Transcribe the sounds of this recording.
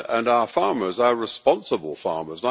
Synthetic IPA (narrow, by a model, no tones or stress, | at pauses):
ə̃naʊəfɑɹmə˞zəəɹɪspɑ̃nsəbəlˠfɑ̰ɹməzna